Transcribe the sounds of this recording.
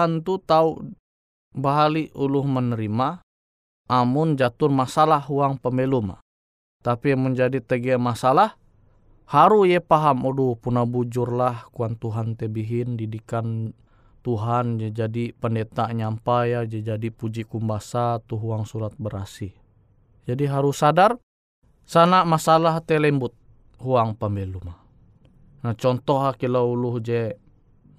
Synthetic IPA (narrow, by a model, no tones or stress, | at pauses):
ant̪ut̪au | baɦaliʔuluhmənəɾima | ʔamund͡ʒat̪urmasalahuaŋpəmɛluma̰ | t̪apiamənd͡ʒadit̪əɡɛmasalah | haɾujɛpaɦamɔdupunabud͡ʒurlahkuant̪uɦant̪ɛbiɦindidikan | t̪uɦand͡ʒɛd͡ʒadipəndɛt̪aɲampajad͡ʒɛd͡ʒadipud͡ʒikumbasat̪uɦuaŋsuɾat̪̚bəɾasi | d͡ʒadiɦaɾusadar | sanamasalaɦt̪ɛlɛmbut̪̚ | huaŋpambɛluma | nat͡ʃɔnt̪ɔɦlakilauluhd͡ʒɛ